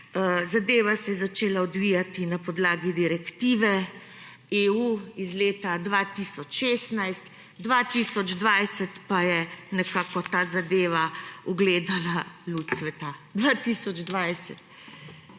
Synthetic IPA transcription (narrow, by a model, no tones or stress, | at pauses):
zad̪eːʋasɛjɛzat͡ʃeːlaɔd̪ʋijat̪inapɔd̪laːɡid̪iɾɛkt̪iːʋɛ | euizleːt̪ad̪ʋaːt̪isɔt͡ʃʃeːst̪najst̪ | d̪ʋaːt̪isɔd͡ʒd̪ʋajsət̪pajɛnɛkaːkɔt̪aːzad̪eːʋauɡleːd̪alalut̪sʋɛt̪ad̪ʋat̪isɔd͡ʒd̪ʋajsɛt̪